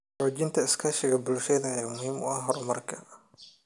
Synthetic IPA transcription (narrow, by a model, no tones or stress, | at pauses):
oːt͡ʃɪnt̪ʰɐɪskʰɐʃɪɣɐbʊlʃɛðɐjaːmʊhiːmʊ̰ʔɐhɦɔrmɐrkʰɐ